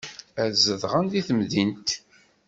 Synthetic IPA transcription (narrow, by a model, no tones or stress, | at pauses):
æzəðʁənd̪iθəmðint̪